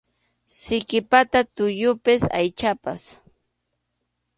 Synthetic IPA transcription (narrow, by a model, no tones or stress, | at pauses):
sɪkɪpat̪at̪ʊjʊpɪsa̰jt͡ʃapa̰s